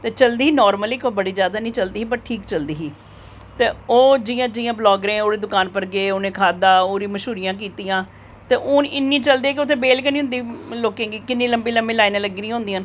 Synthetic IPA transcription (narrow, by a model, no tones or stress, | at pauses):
t̪eːt͡ʃəld̪iːɦːnɔːɾməliːkobəɽiːd͡ʒjaːd̪aːnĩːt͡ʃəld̪iːɦiːbəʈʈʰiːkt͡ʃəld̪iːɦiː | t̪eːoːd͡ʒɪjãːd͡ʒɪjãːblɔːɡɾẽːoːɾeːd̪ʊkaːnpəɾɡeːoːnẽːkʰaːd̪aːoːɾĩːməʃuːɾɪjãːk̬iːt̪ijãː | t̪eːʔʊːnɪnːĩːt͡ʃəld̪eːkeʊt̪ʰẽːbeːlkenĩːɦʊ̃nd̪iːloːkẽːɡiːkɪnːĩːləmbiːləmbeːlaːinẽləɡːiːnĩɦʊ̃nd̪iːaːn